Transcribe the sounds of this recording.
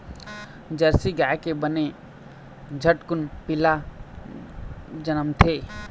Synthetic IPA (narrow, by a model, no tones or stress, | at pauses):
d͡ʒəɾsiɡaːjkebəne | d͡ʒʱəʈkʊnpɪla | d͡ʒənəmt̪ʰeː